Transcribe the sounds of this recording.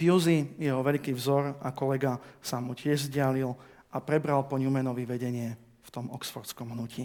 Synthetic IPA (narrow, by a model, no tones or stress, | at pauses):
juzijɛɦɔʋɛʎkiːvzɔɾakɔlɛɡasamucɪɛʒzɟɪalil | ʔapɾɛbɾalpɔɲumɛnɔʋiʋɛɟɛɲɪɛ | ft̪ɔmɔksfɔɾt͡skɔmɦnuci